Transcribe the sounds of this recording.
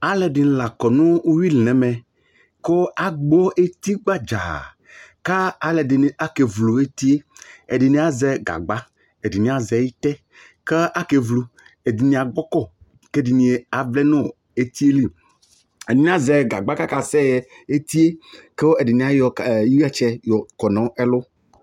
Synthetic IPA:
a˨lɛ˨di˨n˨la˨kɔ˨nũ˦u˦wi˦lɛ̃˨˦mɛ̃˨ | ko˦a˨ɡ͡bɔ˦ʔe˦t̪i˦ɡ͡ba˦d͡ʒa̰˨ | ka˦a˨le˨di˨n˨a˦ke˨vlo˨e˦t̪i˦e˦e˨di˨nĩ˦a˨zɛ˦ɡa̰˨ɡ͡ba˦ | e˨di˨nĩ˨˦a˨zɛ˨˦i˦t̪ɛ˦ | ke˦a˦ke˨vlu˨ | e˨di˨nĩ˨a˨ɡ͡bɔ˦kɔ˦˨ | ke˦di˨nĩ˨e˨a˨vlɛ˦nɔ̃˦˨ | e˨t̪i˦e˦li˦ | e˨dɪ˨nĩ˨˦a˦zɛ˨ɡa̰˨ɡ͡ba˦ka˦ka˨sɛ˦jɛ˨ | e˦t̪i˦e˦ke˦wo˦e˨di˨nĩ˨˦a˦jɔ˨ji˦i˦a˦t͡ʃɛ˦jɔ˨kɔ˨nɔ̃˨˦ɛ˦lʊ˦

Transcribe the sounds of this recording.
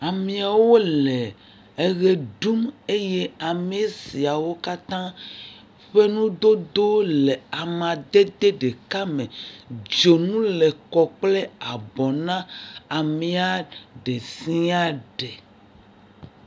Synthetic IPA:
a˨mĩ˦a˨wo˦le˨ | e˨ɣe˨ɖu˦me˦je˦a˨me˦si˨a˨wo˦ka˦t̪ã˦ | ɸe˦nũ˦d̪o˦d̪o˦le˨a˨mã˨d̪e˦d̪e˦ɖe˨ka˦mẽ˨d͡ʒo˨nũ˦le˨kɔ˨k͡ple˦a˨bɔ˨nã˦a˨mĩ˨a˨ɖe˨sĩ˦a˦ɖe˨

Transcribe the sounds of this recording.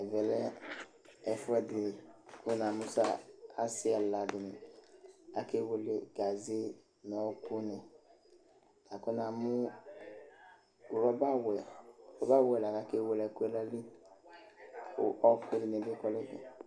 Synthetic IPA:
ɛ˨vɛ˨lɛ˦ | ɛ˨fu˦ɛ˨di˨ku˦na˨mu˦sa˦a˦si˦a˨la˨ɡi˨ni˨ | a˦ke˦wo˨le˨ɡa˨ze˦ | nɔ˨˦ku˦ne˨ | ka˨ko˦na˨mu˦˨ | ɾɔ˦ba˦wɛ˨ɔ˦ba˦wɛ˨la˨ka˨ke˦wo˨lɛ˨ku˦e˦la˦li˦˨ | ɔ˦ke˦di˨ne˨bi˦kɔ˦lɛ˦kɛ̰˨

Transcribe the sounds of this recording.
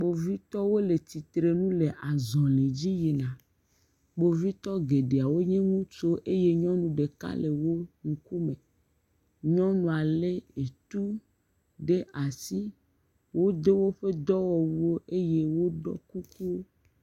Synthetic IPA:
bo˨vi˦t̪ɔ˦wo˦le˨t̪i˨t̪ɾe˨nũ˦le˨ʔa˨zɔ̃˨le˨d͡ʑi˦je˨nã˨ | ɡ͡bo˨vi˦t̪ɔ˦ɡe˨ɖe˨a˨wo˦ɲẽ˦ŋũ˦t͡ʃo˦ʔe˦je˦ɲɔ̃˦nũ˨ɖe˨ka̰˦le˨wo˦ŋũ˨ku˦mẽ˨ | ɲɔ̃˦nũ˨a˨le˦e˨t̪u˦ | ɖe˦ʔa˨si˦ | wo˦d̪e˦wo˦ɸe˦d̪ɔ˦wɔ˨wu˦wo˦ʔe˦je˦wo˦ɖɔ̰˦ku˦ku˦wo˦

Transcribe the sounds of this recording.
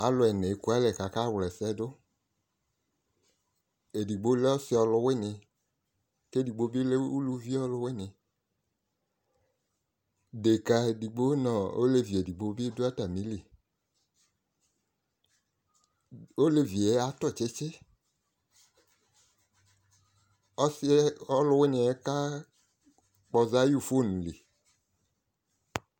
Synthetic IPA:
a˨lʊ˨˦ɛ˨nɛ˨˦ku˦a˦lɛ˨ka˨ka˦˨wlɛ˨sɛ˦dʊ˦ | e˨di˨ɡ͡bo˨˦le˦ɔ˦sɪ˦ɔ˨˧lʊ˦wɪ˦˨nɪ˧ | ke˦di˨ɡ͡bo˨˦bi˦le˦u˦lu˦vi˦ɔ˦lʊ˧˦wɪ˦˨nɪ˨ | de˨ka˨e˨di˨ɡ͡bo˦nɔ̃˨o̰˦le˨vi˨e˨di˨ɡ͡bo˨˦bi˦dʊ˦a˦ta˨mĩ˨˦li˨ | o˦le˨vi˨ɛ˨˦a˨tɔ˦˨t͡ʃɛ˦t͡ʃɛ˦ | ɔ˦sɔ˦lʊ˦wɛ˦nɪ̃˨ɛ˨˦ka˦ | k͡pɔ˧za˦ju˦˨fo˦˨nũ˨le˨

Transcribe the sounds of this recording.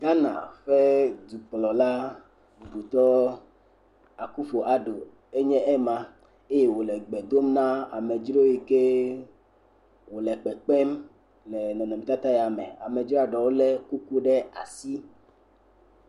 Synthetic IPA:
ɡa˦nã̰˨ɸe˦d̪u˨k͡plɔ˨la˦ | bu˨bu˨t̪ɔ˦ | a˨ku˦fo˨ʔa˨ɖo˨ | e˦ɲɛ̃˦ʔɛ˦mã˨ | e˦je˦wo˨lɛ˨ɡ͡bɛ˨d̪o˦mnã˦a̰˨me˨d͡ʒɾo˦ji˨ke˦ | wo˨lɛ˨k͡pɛ˨k͡pɛ˦m | lɛ˨nɔ̃˨nɔ̃˨m̃˨t̪a˦t̪a˦jɛ˨a˨mɛ̰˨a̰˨me˨d͡ʒɾa˨ɖɔ˨wo˦lɛ˦ku˦ku˦ɖɛ˦a̰˨si˦

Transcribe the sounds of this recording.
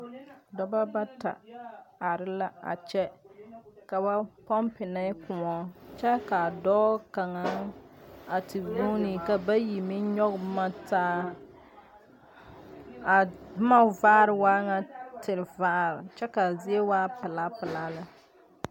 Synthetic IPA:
dɔ˦ba˦ba˦ta̰˨a˨ɾɪ˦la˦a̰˨t͡ʃɛ˦ | ka˨ba˦pɔ˦mpɪ˨na˦kʊ˨ŋɔ˦t͡ʃɛ˦ka˨dɔː˦ka˨ŋa˦ | a˨tɪ˨do˦ni˨ka˨ba˦ji˨mɪ˦ɲɔ˦ɡma˦taː˦ | a˨˦ma˦vaː˦ɾɪ˨waː˦ŋa˦tɪ˨lvaː˦˨ɾɪ˨t͡ʃɛ˦ka˨zɪ˦e˦waː˦pɪ˨la˦pɪ˨laː˦la˨

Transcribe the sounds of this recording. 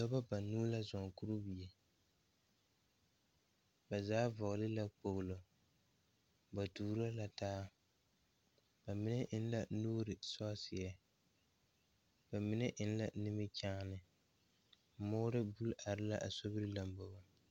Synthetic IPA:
sɔ˦ba˦ba˨nuː˦la˦zɔ˨ŋ˨ku˦ɾu˦bi˨e˨ | ba˨zaː˦vɔ˨ɣlɪ˦la˦k͡po˨ɣlo˨ | ba˨tuː˨ɾa˦la˨taː˦ | ba˨mɪ˦nɛ˦ʔɪ˦n˦la˦nuː˦ɾɪ˨sɔ˦sɪ˨a˦ | ba˨mɪ˦nɛ˦ʔɪ˦n˦la˦nɪ˦mɪ˦t͡ʃaː˦nɨ˨˦ | moː˦ɾɪ˦bu˦lʔa˨ɾɪ˦la˦ʔa˨so˦bɨ˦ɾɨ˦la˦mbɔ˨ba˦

